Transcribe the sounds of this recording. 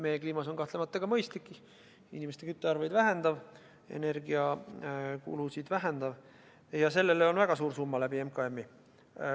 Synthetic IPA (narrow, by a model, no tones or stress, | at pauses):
mejekliːmɑso̞nkɑht̪le̞mɑt̪ːˑɑɡ̥ɑmɤjst̪likːˑi | inʲimest̪e̞kyt̪ːˑeɑɾvɑjd̪væɦe̞nd̪̥ɑv | e̞̰ne̞rɡiɑ | kṵlusid̪̥væɦend̪̥ɑv | jɑse̞lːe̞leo̞nvæɡ̥ɑsuːɾsumːɑlæbiemkɑemːi